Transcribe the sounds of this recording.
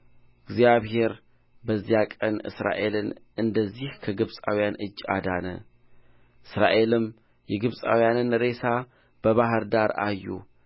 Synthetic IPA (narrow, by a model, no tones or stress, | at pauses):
ɨɡzjaβɦe̞ɾ | bəzːijakʼənɨ̰sɾa̰ʔe̞lɨnʔɨnd̪əzːihkʰəɡɨβsʼa̰wjanɨd͡ʒːa̰d̪anə̰ | ʔɨsɾa̰ʔe̞lɨm | jɛɡɨβsʼa̰wjanɨnɾe̞sa | b̥əβaɦɨɾd̪aɾa̰jːṵ